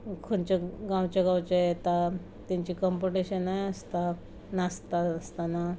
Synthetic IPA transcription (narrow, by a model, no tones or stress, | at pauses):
kʰuɳt͡ɕeɡãwt͡ɕaɡãwt͡ɕajet̪a | t̪iɲt͡ɕiːkɔmpuʈiɕənːajəst̪a | nast̪aəst̪ana